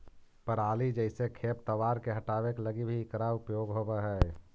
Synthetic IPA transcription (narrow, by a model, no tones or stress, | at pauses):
pəɾaːlid͡ʒəɪsekʰeːp̚t̪əʋaːɾkeɦɐʈaːʋekləɡibʱikɾaʊpjoːɡɦobeɦɛː